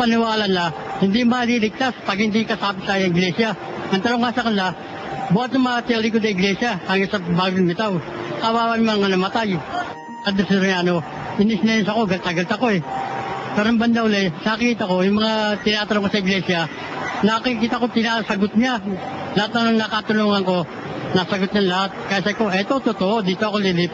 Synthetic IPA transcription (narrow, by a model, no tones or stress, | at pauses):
pɐnɪwaːlɐnlahɪnd̪imɐliːlɪɡ̚t̪aspɐɡ̚hɪnd̪ikɐsaːpɪt̪aːjɐɪɡlɛːsja | nɐŋt̪ɐnoŋːasɐkɐnla | bʊat̪nɐŋmɐat̪ɪɐlik̬ʊd̪ɐɪɡlɛsjaɐŋɪsɐbaːɡɪnmɪt̪aw | ʔawaːwɐnmɐŋanɐmɐt̪aj | ʔɐd̪ɛsɛɾjaːno̞ | ʔɪnɪsnɐjonsɐko̞ɡɐlt̪ɐɡɐlt̪ɐko̞ɛ | pɛɾɐmbɐnd̪awlɐɛnɐkkiːt̪ɐko̞jʊŋmɐŋat̪ɪnaːt̪ɐloŋkosɐɪɡlɛsjɐ | nɐkɪkɪkiːt̪ɐko̞t̪ɪnaːsɐɡot̪̚ɲalɐhat̪nɐnɐŋnakat̪ʊluːŋɐŋko̞ | nasɐɡot̪̚ɲɐnlɐɦat̪̚kɐjasɐkoʔɛt̪ot̪ʊt̪oʔod̪iːt̪oɐkolilip